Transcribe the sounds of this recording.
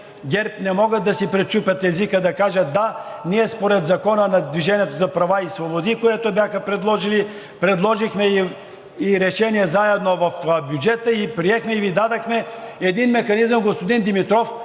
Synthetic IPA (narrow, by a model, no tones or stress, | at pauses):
ɡʲɛɾp̚nɛmɔɡəd̪ɐsipɾɛt͡ʃupʲɐt̪ɛzikəd̪ɐkaʒət̪̚d̪aniɛspoɾɛd̪zɐkɔnənɐd̪viʒɛnʲiɛt̪ozɐpɾɐvaisvobod̪ikoɛt̪obʲjaxəpɾɛd̪lˠɔʒili | pɾɛd̪lˠɔʒixmɛiː | ɾɛʃɛniɛzaɛd̪novɐfbʲjud͡ʒɛt̪əipɾiɛxmɛivid̪ad̪ɐxmɛɛd̪inmɛxɐnizəmɡospod̪ind̪imit̪ɾɔf